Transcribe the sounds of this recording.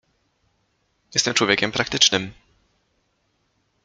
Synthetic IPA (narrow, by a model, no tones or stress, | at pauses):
jɛst̪ɛmt͡ʂwɔvʲekʲɛmpɾak̚t̪ɘt͡ʂnɘm